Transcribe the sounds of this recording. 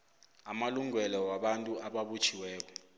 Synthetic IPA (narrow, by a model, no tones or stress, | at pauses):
amaluŋwɛlɔwaɓantʼuʔaɓaɓut͡ʃʰiwɛːk̬ɔ